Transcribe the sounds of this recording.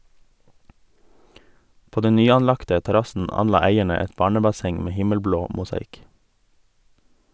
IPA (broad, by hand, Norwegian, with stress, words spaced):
ˈpoː ˈdɛn ˈnyːɑnˌlɑktə tɛˈɾɑsn̩ ˈɑnˌlɑː ˈæɪɛɳə ˈɛt ˈbɑːɳəbɑˌsɛŋ ˈmeː ˈhɪməlˌbloː mʊsɑˈɪk